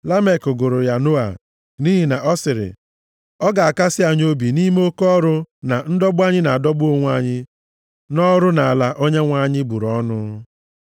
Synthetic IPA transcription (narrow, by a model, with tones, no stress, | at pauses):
la˦me˨kʊ˨ɡʊ˨ɾʊ˨ja˨no˦a̰˨ | ni˦ɦi˨na˨ʔɔ˦sɪ˨ɾɪ̰˨ | ɔ˦ɡa˨a˨ka˦sɪ˦a˨ɲ˦o˦bi˨ni˦me˦o˦kɔ˦ɾʊ˦na˨n̩˦dɔ˦bʊ˦a˦ɲɪ˦na˨a˨dɔ˦bʊ˦o˦ŋʷ˦a˦ɲɪ˦ | nɔ˦ɾʊ˦na˨a˨la˨ʔo˦ɲe˦ŋʷa˦ɲɪ˦bu˨ɾɔ˦nʊ˦